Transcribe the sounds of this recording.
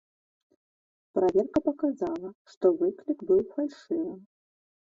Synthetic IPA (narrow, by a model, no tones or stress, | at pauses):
pɾavʲɛrkɐpɐkazalˠɐʂt̪ɔvɨklʲikbɨwfalʲʂɨvɐm